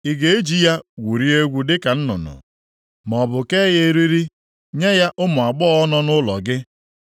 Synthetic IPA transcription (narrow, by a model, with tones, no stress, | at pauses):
i˨ɡe˨e˦d͡ʒi˦ja˦ɡʷu˨ɾi˦e˦ɡʷu˦dɪ˦ka˨n̩˦nʊ̰˨nʊ̰˨ | m˨ɔ˨bʊ˨ke˦ɣe˦ɾi˦ɾi˦ | ɲe˦ja˦ʔʊ˦mʊ˨a˨ɡ͡bɔ˦ɔ˦nɔ˦nʊ˦lɔ̰˨ɡɪ˦